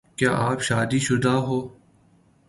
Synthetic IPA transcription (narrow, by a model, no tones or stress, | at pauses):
kja̰ːʔaːpʃaːd̪iːʃʊd̪aːɦoː